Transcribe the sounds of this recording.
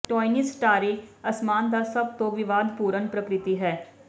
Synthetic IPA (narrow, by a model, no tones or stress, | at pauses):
ʈoːinisʈaːɾiːəsmaːnd̪aːsəb̚t̪õːʋɪʋaːd̪puːɾənpɾəkɾɪt̪iːɦɛː